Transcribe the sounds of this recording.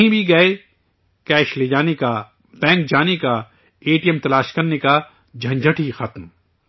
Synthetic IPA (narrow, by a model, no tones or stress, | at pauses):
ĩbʱiɡɐe | kɛːʃled͡ʒaːneka | bɛ̃ːŋk̚d͡ʒaːneka | eːʈijɛmt̪ɐlaːʃkɐɾneka | d͡ʒʱɐ̃ɲd͡ʒʱɐʈʰixɐt̪m